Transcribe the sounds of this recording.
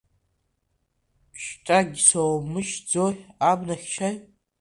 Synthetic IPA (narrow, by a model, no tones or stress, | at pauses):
ʃʈ͡ʂʼaɡʲsowmɨʃd͡zoabnaχʲʃʰaj